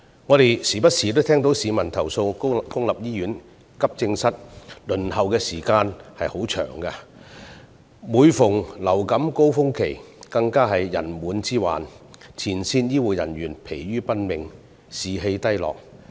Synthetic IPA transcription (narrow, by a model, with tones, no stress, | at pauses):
ŋɔː˨˧ɾe˨jsiː˨˩pɐ˥t̚siː˨˩t̪o˥t̪ʰɛː˥ŋt̪o˨˥wsiː˨˧mɐ˨˩nt̪ʰɐ˨˩wso˧wkʊ˥ŋlɐ˨p̚jiː˥jyː˨˥n | kɐ˥p̚t͡sɪ˧ŋsɐ˥t̚lɵ˨˩nhɐ˨wkɛː˧siː˨˩kaː˧nhɐ˨jho˨˥wt͡ʃʰœ̰ː˨˩ŋkɐ˧ | muː˨˧jfʊ˨˩ŋlɐ˨˩wkɐ˨˥mko˥wfʊ˥ŋkʰe˨˩jkɐ˧ŋkaː˥ɦɐ˨jːɐ̰˨˩nmuː˨˥nt͡siː˥wa̰ː˨nt͡sʰiː˨˩nsiː˧njiː˥wuː˨˩jɐ̰˨˩nɥyː˨˩npʰe˨˩jɥyː˥pɐ˥n̚mɪ˨ŋ | siː˨ɦe˧jt̪ɐ˥jlɔ̰ː˨k̚